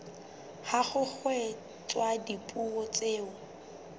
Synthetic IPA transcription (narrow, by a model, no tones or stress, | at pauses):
haχʊk͡xwɛ | t͡sʼwadipʼuɔt͡sʼeːʊ